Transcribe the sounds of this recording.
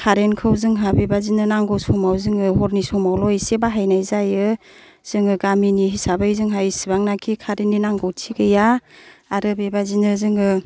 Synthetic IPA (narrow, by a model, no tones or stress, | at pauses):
kʰaɾenkʰɯwzɯŋɦabebazinɯnaŋɡɔwsɔmawzɯŋɯɦɔɾnisɔmawlɔjsebaɦajnajzajɯ | z̥ɯŋɯɡaminiɦisabajzɯŋɦajsibaŋnakʰikʰaɾenːinaŋɡɔwtʰiɡɯjaaɾɯbebazinɯzɯŋɯ